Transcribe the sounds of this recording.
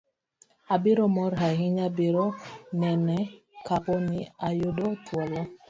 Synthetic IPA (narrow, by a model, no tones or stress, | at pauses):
abɪɾɔmɔɾɦaɦiɲabeɾɔnɛnɛ | kakɔniajodɔtwɔlɔ